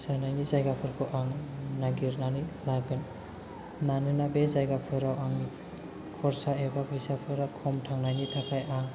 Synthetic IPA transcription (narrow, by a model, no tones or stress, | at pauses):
sanajnizajɡapʰɯɾkʰɯʔaŋnaɡiɾnanɯlaɡɯn | nanɯnabezajɡapʰɯjɾawaŋi | kʰɔɾsaebapʰɯjsapʰɯɾakʰɔmtʰaŋnajnitʰakʰajaŋ